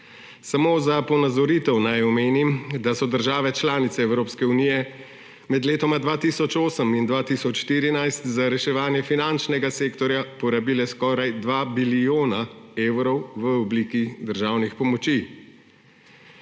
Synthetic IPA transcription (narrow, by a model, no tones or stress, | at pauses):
samoːzapɔnazɔɾit̪ɛwnajɔmeːnimd̪asɔd̪əɾʒaːʋɛt͡ʃlaːnit̪sɛɛwɾoːpskɛuniːjɛ | mɛd̪leːt̪ɔmad̪ʋaːt̪iːsɔt͡ʃoːsəmind̪ʋaːt̪isɔt͡ʃʃt̪iːɾinajst̪zaɾɛʃɛʋaːnjɛfinant͡ʃnɛɡaseːkt̪ɔɾjapɔɾabiːlɛskɔːɾajd̪ʋaːbilijoːnaewɾɔwʋəɔbliːkid̪əɾʒaːwnixpɔmɔt͡ʃi